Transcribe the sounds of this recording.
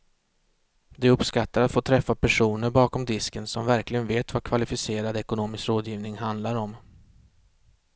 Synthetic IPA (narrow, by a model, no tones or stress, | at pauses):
d̪ɛɵpskat̪ːaɾat̪foːt̪ʰɾɛfːapʰæʂuːnəɾbɑːkɔmd̪ɪskənsɔmvæɾklɪɡənveːt̪vakʰvalɪfɪseːɾad̪ɛkʊnoːmɪskɾoːd̪jiːvnɪŋɦand̪laɾɔm